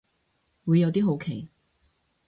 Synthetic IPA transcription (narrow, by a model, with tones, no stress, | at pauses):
wu˨˧jːɐ˨˧wt̪iː˥ɦo˨˧˥wkʰe˨˩j